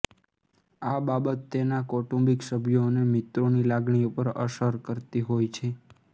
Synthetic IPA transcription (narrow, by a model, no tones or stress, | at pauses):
ababət̪ːenakɔʈũmbiksəbʱjonemɪt̪ɾonilaɡɳiupəɾə̰ʃəɾkəɾt̪iɦojt͡ʃʰe